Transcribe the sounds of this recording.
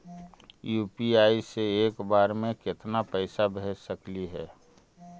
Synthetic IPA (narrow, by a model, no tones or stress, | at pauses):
juːpiaːiseeːkbaːɾmẽkɪt̪napəɪsabɛəkliɦɛː